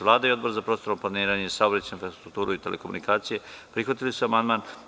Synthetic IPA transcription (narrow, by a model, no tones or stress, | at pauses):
ʋlˠaːd̪aio̞d̪bo̞ɾzapɾost̪oɾomplaniːɾaːɲeisaobɾet͡ɕeinfɾast̪ɾuk̚t̪uːɾuit̪e̞lʔekomṵnikaːt̪sije̞pɾixʋat̪ilisuamand̪maːn